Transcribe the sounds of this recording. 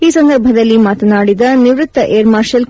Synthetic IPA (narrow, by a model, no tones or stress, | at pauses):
iːsɐnd̪ɐɾbʱɐd̪ɐlːimaːt̪ɐnaːɽid̪ɐniʋɾut̪ːɐʔeːɾmaːɾʃɐl